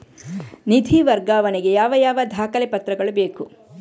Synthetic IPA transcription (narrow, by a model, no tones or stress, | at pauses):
nid̪ʱiʋɐɾɡaːʋɐniɡe̞jaːʋɐjaːʋɐd̪ʱaːkɐlepɐt̪ɾɐɡɐɭubeːku